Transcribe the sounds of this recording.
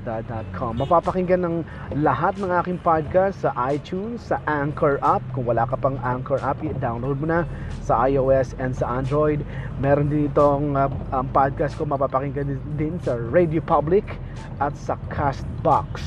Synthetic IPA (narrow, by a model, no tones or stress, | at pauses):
d̪ad̪at̪̚kʰomːɐpapɐkɪŋɡɐnɐŋ | lɐɦat̪̚nɐŋʔaːkɪŋpad̪̚kast̪sɐʔajt̪unsːɐʔaŋkɛɹʔap̚kʊŋwɐlaːkɐpɐŋʔaŋkɛɹʔapd̪awnlowd̪mʊnɐsɐʔajʔoʔɛsɛnd̪sɐʔand̪ɾojd̪̚mɛːɾond̪ɪnɪt̪oŋɐŋpad̪̚kast̪̚komɐpapɐkɪŋɡɐd̪ɪnsɐɹɛjd̪jopablɪk | ʔɐt̪̚sɐkʰast̪̚baks